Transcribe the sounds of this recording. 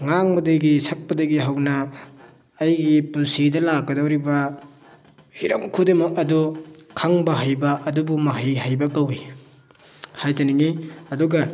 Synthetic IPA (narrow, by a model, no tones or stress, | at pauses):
ŋaŋbɐdɐɡisɐk̚pɐdɐɡiɦɐwnɐː | jɡipunsidɐlakːɐdɐwɾibɐ | hiɾɐ̰mkʰudemɐɐdukʰaŋbɐɦajbɐʔɐdubumɐɦajɦajbɐkawi | hajtɐniŋiɐduɡɐ